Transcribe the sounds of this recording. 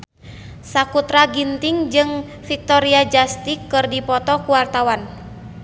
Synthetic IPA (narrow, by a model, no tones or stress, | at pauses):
sakut̪ɾaɡint̪iŋd͡ʒɨŋ | fik̚t̪ɔɾiad͡ʒast̪ikːɨrdipɔt̪ɔkuwart̪awan